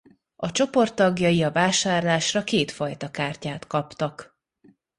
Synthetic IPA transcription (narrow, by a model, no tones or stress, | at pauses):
ɒt͡ʃo̞po̞rt̪ːɒɡjɒjiɒvaːʃaːrlaːʃrɒkeːt̪fɒjt̪ɒkaːrcaːt̪kɒpt̪ɒk